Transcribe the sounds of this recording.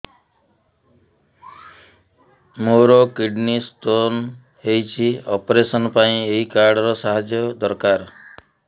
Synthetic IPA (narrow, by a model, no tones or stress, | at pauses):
moɾɔkiɖnist̪on | ɦejt͡ʃʰiɔpɔɾesɔnɔpaĩeɦikaɾɖɔɾɔsaɦad͡ʒjɔd̪ɔɾkaɾ